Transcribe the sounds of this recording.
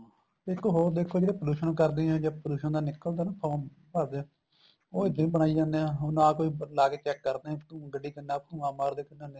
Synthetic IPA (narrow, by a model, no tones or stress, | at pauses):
ɪkːoɦoːɾd̪eːkʰoːd͡ʒeːɽeːpəluːʃənːkəɾd̪eːɦɛ̃ːd͡ʒaːpəluːʃənd̪aːnɪkːəld̪aːnapʰoːn | pəɾd̪ẽː | oːɪd̪ẽĩbəɽaːiːd͡ʒãːnd̪eɛ̃ɦʊnãːkoːiːlaːɡeːt͡ʃɛːkːəɾd̪eːɛ̃t̪ːɡəɖiːk̪ənaːpʰũːãːmaːɾd̪eːkənãːneː